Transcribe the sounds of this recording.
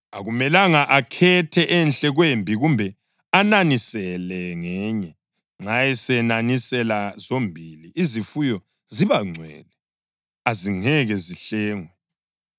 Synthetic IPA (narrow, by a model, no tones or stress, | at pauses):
aɣumɛlaŋaʔakʰɛtʰɛʔɛnɬɛɣwembʱiɣumbʱɛ | ananisɛlɛŋɛːɲɛ | ŋ͡ǁʱajɛsɛnanisɛlazombʱiliizifujɔ | ziβaŋ͡ǀʱwɛ̰ːlɛ | aziŋɛɣɛziɬɛːŋwɛ